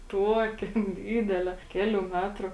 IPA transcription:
ˈtuɔkʲeː ˈdʲiːdʲɛlʲeː ˈkʲæːlʲuː ˈmʲæːtruː

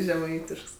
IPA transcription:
ʒʲɛˈmɐɪtʲɪʃks

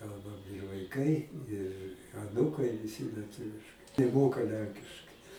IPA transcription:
ˈkɐlˠbɐm ɪr ʋɐɪˈkɐɪ ɪr ɐˈnuːkɐɪ ʋʲɪˈsʲɪ lʲiɛˈtʊʋʲɪʃkɐɪ nʲɛˈmoːkɐ ˈlʲɛŋʲkʲɪʃkɐɪ

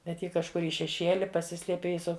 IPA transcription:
bʲɛt ˈjɪ kɐʃˈkʊr ɪ ʃʲɛˈʃʲiɛlʲɪ pɐˈsʲɪsʲlʲiɛpʲeː ɪ ˈsʊ

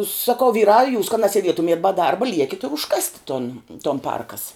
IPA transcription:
sɐˈkɐʊ ˈʋʲiːrɑː juːs kɐ nɐsʲiɛˈdʲiɛtʊmʲiɛt bɐ ˈdɐrbɐ ˈlʲiɛkʲɪtʲ ɪr ʊʃˈkɑːsʲtʲɪ toːn toːn ˈpɐrkɐs

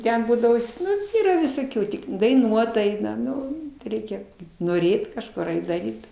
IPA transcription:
ˈtʲɛn ˈbuːdɐʋoː ˈnʊ ˈiːrɐ ʋʲɪsoːˈkʲuː ˈtʲɪk dɐɪˈnuɔt ˈɐɪnɐ ˈnʊ ˈrʲɛɪkʲɛ noːˈrʲeːt kɐʃˈkʊr ˈɐɪt dɐˈrʲiːt

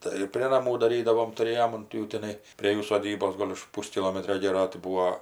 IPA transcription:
ˈtɐɪ ɪr pʲrʲeː nɐˈmuː dɐˈrʲiːdɐʋoːm tʊˈrʲeːjoːm ʊnt ˈjuː tʲɪˈnɐɪ pʲrʲeː ˈjuː soːˈdʲiːboːs ˈɡoːlʲ ʊʃ ˈpuːsʲkʲɪlˠoːmʲɛtʲrʲoː ˈɡʲeːroː tɐɪ ˈbuːoː

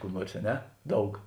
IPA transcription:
ˈkuː ˈnuɔrs ɐ ˈnʲɛ ˈdɐʊk

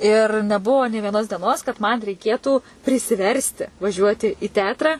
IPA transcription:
ɪr nʲɛˈbʊʋoː nʲeː ʋʲiɛˈnoːs dʲiɛˈnoːs kɐt mɐn rʲɛɪˈkʲeːtuː pʲrʲɪsʲɪˈʋʲɛrʲsʲtʲɪ ʋɐˈʒʲuɔtʲɪ iː ˈtʲɛɐtrɐ

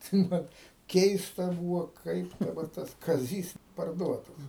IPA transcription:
tɐɪ ˈmɐn ˈkʲɛɪstɐ ˈbuːʋoː ˈkɐɪp dɐˈbɐr ˈtɐs kɐˈzʲiːs pɐrˈduɔtɐs

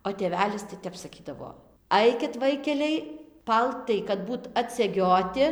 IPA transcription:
oː tʲeːˈʋʲæːlʲɪs tɐɪ ˈtʲɛp sɐˈkʲiːdɐʋoː ˈɐɪkʲɪt ˈʋɐɪkʲɛlʲɛɪ ˈpɐlˠtɐɪ kɐt ˈbuːt ɐtʲsʲɛˈɡʲoːtʲɪ

